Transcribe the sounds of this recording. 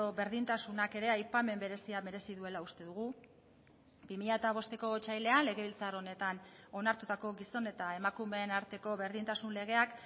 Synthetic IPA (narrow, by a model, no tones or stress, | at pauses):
oβe̞ɾðint̪asunake̞ɾe̞ajpame̞mbe̞ɾe̞siaβe̞ɾe̞siðue̞laust̪e̞ðuɣ̞u | bimiʎat̪aβ̞o̞st̪e̞ko̞t͡ʃajle̞anle̞ɣ̞e̞β̞ilt͡saro̞ne̞t̪ano̞naɾt̪ut̪ako̞ɣiso̞ne̞t̪ae̞makume̞ːnaɾt̪e̞ko̞βe̞ɾðint̪asunle̞ɣ̞e̞ak